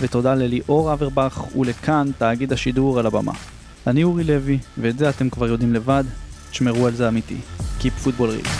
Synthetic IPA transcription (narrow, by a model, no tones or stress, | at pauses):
vet̪o̞daleliʔo̞ʁaveʁbaχṵle̞kʰantaːɡid̪haʃiduʁalaba̰mʔa̰ | aniuʁile̞viveːtzeate̞mkvaʁjo̞d̪imle̞vad̪i̥ʃmeʁualzeamit̪ḭkipfut̚bolʁḭ